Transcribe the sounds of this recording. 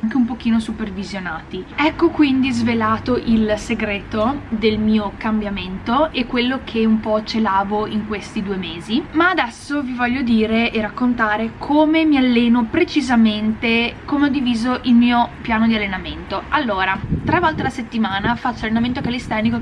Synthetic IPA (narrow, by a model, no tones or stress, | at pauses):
ŋkeumpok̟iːnosupervizjonaːt̪iɛkːokwind̪izvelaːt̪oʔilseɡɾeːt̪od̪elmiːokambjament̪oekːwelːok̟ʰeumpɔt͡ʃelaːvoiŋkwest̪id̪uːemeːzimaːd̪ɛsːovivɔʎːod̪iːɾeʔerakːont̪aːɾekʰoːmemialːeːnopɾet͡ʃizament̪ekomeɔd̪ːiviːzoʔilmiːopjaːnod̪ialːenament̪oalːoːɾat̪ɾavɔlt̪elaset̪ːimaːnafat͡ʃːoalːenament̪̬okalist̪ɛrniko